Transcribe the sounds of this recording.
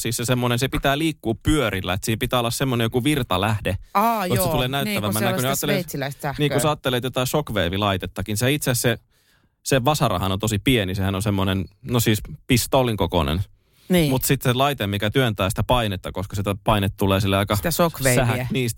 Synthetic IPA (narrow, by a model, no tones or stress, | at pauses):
siːssesemːonensepit̪æːliːkːuːppyøɾilːæet̪siːmpit̪æːolːɑssemːonejokuʋirt̪ɑlæhdeɑosetuleːnæyt̪ːæʋæmːænːækuneɑːt̪ːeleilæissæhniːŋkussɑːt̪ːelet̪jot̪ɑisokʋeːʋilɑit̪et̪ːɑkinseeit̪seæsse | seʋʋɑsɑrɑ̰hɑnont̪osipienisehænonsemːonennosiːspist̪oliŋkoko̰nḛn | nːmut̪sit̪selɑit̪emmikæt̪yønt̪æːsi̥t̪æpɑinet̪ːɑkoskɑ̥sit̪æpɑinet̪t̪ːuleːsilːeɑikɑsokʋessæhæniːs